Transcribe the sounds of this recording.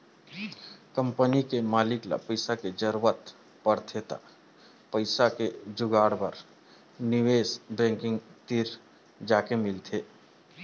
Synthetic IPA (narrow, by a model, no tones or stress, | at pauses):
kə̃mpənikemaːlɪkla̰pəɪsaked͡ʒəɾwət̪ | pəɽt̪ʰet̪a̰ | pəɪsaked͡ʒʊɡaːɽbəɾ | nɪweːsbɛ̃ːŋkɪ̃ŋɡt̪iɾ | d͡ʒaːkemɪlt̪ʰeː